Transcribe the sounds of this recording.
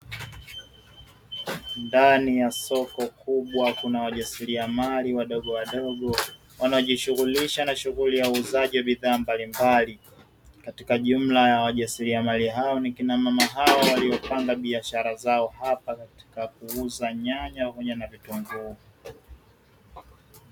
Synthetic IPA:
ndanijasɔkɔkuɓwakunawaʄasiɾiamaliwaɗɔɠɔwaɗɔɡɔ | wanaɔʄiʃuɣuliʃanaʃuɣulijauːzaʄiwaɓiðaːmbalimbali | katikaʄum̩lajawaʄasiɾiamaliɦaɔnikinamamaɦaɔwaliɔpaŋɡaɓiaʃaɾazaɔhapakati̥kak̚uuzaɲaɲahɔɲanavituŋɡuː

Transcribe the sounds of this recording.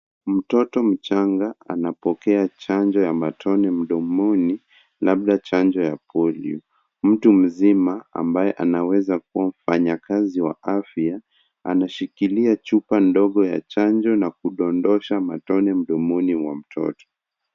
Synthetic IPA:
m̩tɔtɔm̩t͡ʃaŋɡaa̰napɔkɛat͡ʃand͡ʒɔjamatʰɔnɛm̩ɗɔmɔni | laɓɗat͡ʃand͡ʒɔjapʰɔlḭu | m̩tum̩zimaa̰mbajɛʔanawɛzakuwam̩faɲakaziwa̰afia | a̰naʃikiliat͡ʃupandɔɠɔja̰t͡ʃand͡ʒɔnak̚uɗɔndɔʃamatɔnɛm̩ɗɔmɔniwam̩tʰɔ̰tɔ̥

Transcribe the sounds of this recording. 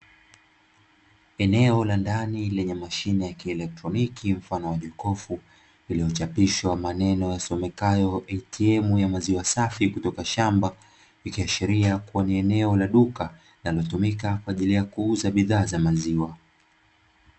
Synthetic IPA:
ɛnɛɔlandanilɛɲɛmaʃinɛjakiɛlɛk̚tɾɔnikʰim̩fanɔwaʄɔkɔfu | iliɔt͡ʃapiʃwamanɛnɔjasɔmɛkajɔʔɛitiɛmujamaziwasafikutɔkaʃamba | vikiaʃiɾiakuaniɛnɛɔlaɗuka | nalɔtumikakwaːʄilijakuuzaɓiðaːzamaziwa

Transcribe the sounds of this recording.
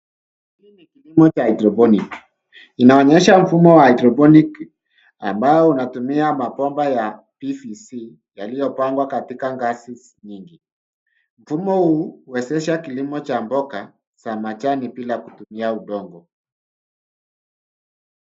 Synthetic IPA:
hiːnikilimɔt͡ʃaitɾɔbɔnik | inaɔɲɛʃaɱ̩fumɔwaaitɾɔbɔnik | a̰mbaɔunatumiamapɔmbaja | pifisi | jalijɔpaŋɡwakatikaŋɡasis | ɲiŋɡi | m̩fumɔhuːwɛsɛʃakilimɔt͡ʃambɔka | samat͡ʃanipilakutumiauɗɔŋɡɔ

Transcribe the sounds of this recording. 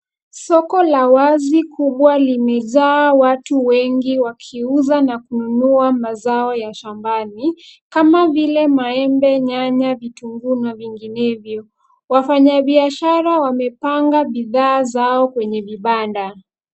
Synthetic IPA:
sɔkɔlawazikʰuɓwalimɛzaːwatuwɛŋɡiwakʰiuzanakununuamazaɔjaʃambanikamavilɛmaɛmbɛɲaɲavituŋɡunaviŋɡinɛvjɔ | wafaɲaɓiaʃaɾawamɛpaŋɡaɓiðaːzaɔkwɛɲɛviɓanda

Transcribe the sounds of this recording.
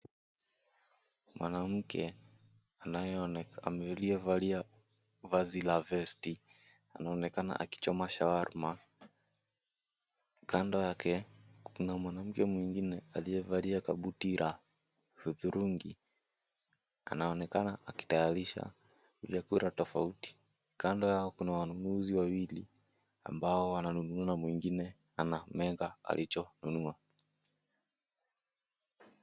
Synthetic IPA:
mwanam̩kʰɛ | anajɛamliɛvalia | vazilavɛsti | anaɔnɛkana̰ʔaki̥t͡ʃɔmaʃawaɾma | kandɔjakɛnamwanam̩kɛmwiŋɡinɛalijɛvaliakaɓutiɾʔa | huðuɾʔuŋɡi | a̰naɔnɛkanaʔːki̥tajaɾiʃa̰ | vjakuɾatɔfauti̥ | kandɔjaɔkunawanunuziwawilḭ | a̰mbaɔwananunuanamwiŋɡinɛ | anamɛŋɡaa̰lit͡ʃɔnunua

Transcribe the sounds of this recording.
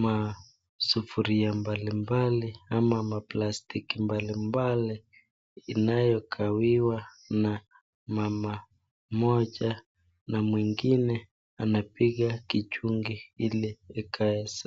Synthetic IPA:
ma | sufuɾiambalimbaliamamaplastikimbalimbaliː | najɔkʰawiwa | na | mama | mɔʄa | namwiŋɡinɛ | anapiɣakit͡ʃuŋɡiiliɛkʰaɛsa

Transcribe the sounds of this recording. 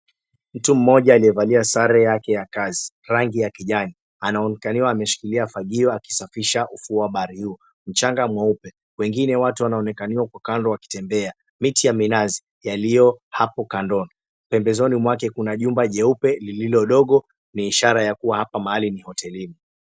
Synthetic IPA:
m̩tum̩mɔʄaːlijɛvaliasaɾɛjakɛjakazi | ɾaŋɡijakiʄani | anaɔnɛkaniwaːmɛʃi̥kiliafaɠiɔaki̥safiʃaʔufuaɓaɾihuɔ | m̩t͡ʃaŋɡamwaupɛ | wɛŋɡinɛwatuwanaɔnɛkaniwakwakandɔwaki̥tɛmbɛa | mitijaminazi | jalijɔhapɔkandɔnɔ | m̩pɛmbɛzɔnimwakɛkunaʄumbaʄɛupɛlililɔɗɔɠɔ | niːʃaɾajakuwahapamahalinihɔtʰɛlimi

